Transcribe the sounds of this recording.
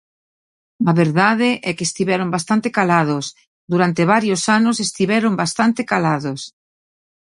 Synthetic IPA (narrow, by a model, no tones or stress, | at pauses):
aβeɾðaðɪʔɛkeːst̪iβɛɾombast̪ant̪ekalaðos | d̪uɾant̪eβ̞aɾjosanʊsest̪iβɛɾombast̪ant̪ɪkalaðos